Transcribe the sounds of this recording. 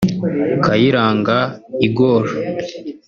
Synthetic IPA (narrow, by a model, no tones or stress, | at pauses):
kajiɾaːŋɡaiɡoɾa